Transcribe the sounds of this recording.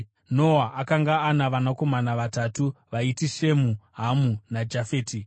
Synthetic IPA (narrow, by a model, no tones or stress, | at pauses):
no̞ɦaʔakaŋɡaːnaʋanako̞manaʋatatuʋaitiʃe̞muɦamunad͡ʒafeːti